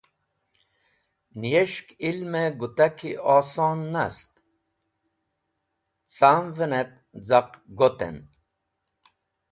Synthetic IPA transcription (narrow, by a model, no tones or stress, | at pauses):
nijeʃkilmeɡut̪akʰiʔɔːsɔːnːast̪ | t͡samvənep̚d͡zaqɡot̪ḛn